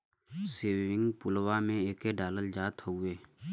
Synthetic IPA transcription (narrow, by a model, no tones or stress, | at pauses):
seːɪ̃ŋɡpʊlwamẽeːkeɖaːləld͡ʒaːt̪ʰueː